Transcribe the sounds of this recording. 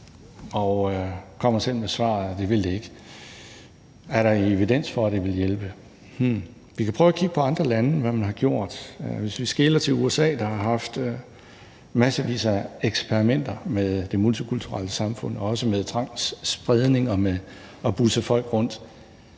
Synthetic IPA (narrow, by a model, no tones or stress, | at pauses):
ɒʊkʰɒ̽m̰ɐsel̰mesʋɑ̰̈ːð̩ˠd̥e̝ʋe̝ld̥e̝e̝ɡ̥ | æɐɾɑ̈ie̝ʋid̥en̰sfɒ̽æd̥eʋe̝ljelb̥ə | ʋikʰæpʰʁœːʊɐkʰiɡ̥əpʰɒɑ̈nd̥ʁɐlænəʋæmænɦɑ̈ɡ̥jo̝ɐ̰d̥ʋe̝sʋisɡ̥e̝ːlɐt͡sʰe̝luesɛ̰ːd̥ɑ̈hɑ̈ɦɑ̈fd̥ | mæsəʋḭːsæeɡ̥spʰeʁimen̰d̥ɐmeðˠd̥e̝mult͡sʰikʰult͡sʰuʁɑ̰ləsɑ̈mfɔ̽n̰ɒ̽ɒ̽səmeðˠt͡sʰʁɑ̈ŋ̰ssb̥ʁɛð̞ˠne̝ŋɒ̽me | ɒb̥usəfɒ̽l̰ɡ̥ʁɔ̽n̰d̥